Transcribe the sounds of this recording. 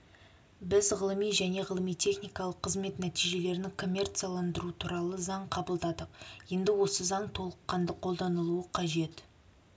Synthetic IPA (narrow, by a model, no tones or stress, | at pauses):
bɪzʁəlˠəmijʒæne̞ʁəlˠəmijt̪ʰe̞χnijkɑlˠəqʰːəzme̞t̪næt̪ijʒe̞le̞ɾɪnɪkʰo̞mʲːe̞rt̪sijalˠɑnd̪əɾuət̪ʰuɾɑlˠəzɑɴqʰɑbəlˠd̪ɑd̪əqje̞nd̪ɪwo̞səzɑɴt̪ʰo̞lˠəqːɑnd̪əqʰo̞lˠd̪ɑnəlˠuəqʰɑʒe̞t̪